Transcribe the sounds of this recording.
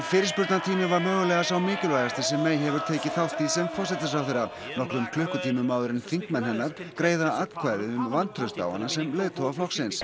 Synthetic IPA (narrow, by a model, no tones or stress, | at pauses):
fɪːɾɪ̥spʏɾt̪nat̪ʰiːmɪvaɾmœːɣʏlɛɣasawmɪːcʏlvaːjɣast̪ɪ̥sɛmːɛjɦɛvʏɾ̥t̪ʰeːjcɪθawht̪isɛmfɔrsɛt̪ɪsawfθeːɾːa | nɔhklʏmkʰlʏhkʏt̪ʰiːmʏmːawðʏɾɪnfiŋ̥kmɛnɦɛnːaɾ̥kɾeːjðaat̪kʰvaːjðɪʏmvant̪ʰɾœst̪a̰ːwa̰nːasɛmlejðt̪ʰowɣaflɔxksɪns